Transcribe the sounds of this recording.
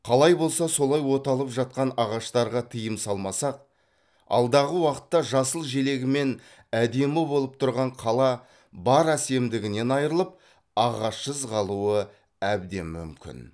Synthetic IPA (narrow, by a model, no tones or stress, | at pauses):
qʰɑlˠɑjbo̞lˠsɑso̞lˠɑjwo̞t̪ɑlˠəpʒɑt̪̚qɑnɑʁɑʃt̪ɑɾʁɑt̪ʰəjəmsɑlˠmɑsɑq̚ | ɑ̰lˠd̪ɑʁəwɑqə̥t̪ːɑʒɑsəlˠʒe̞le̞ɡʲɪme̞n | æd̪e̞mɪbo̞lˠəp̚t̪ʰʊɾʁɑɴqʰɑlˠɑ | bɑɾæse̞md̪ɪɡʲɪne̞nɑjɾəlˠəp̚ | ɑʁɑʃːəzʁɑlˠuə | æbd̪e̞̰nmʏ̰mkʲɪ̰n